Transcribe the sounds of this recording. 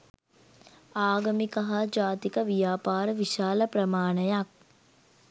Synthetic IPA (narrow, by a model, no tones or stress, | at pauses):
aːɡɐmikɐɦad͡ʒaːt̪ikəʋijaːpaːɾəʋiʃaːləpɾəmaːnəjak̚